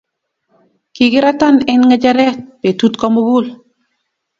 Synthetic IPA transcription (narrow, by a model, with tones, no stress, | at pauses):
ki˨ɡɪ˦ɾa˦ta˦nɛ˦nŋa˦d͡ʒa˦ɾɛ˦t̚pe˨tu˦tkɔ˦moɡu˦l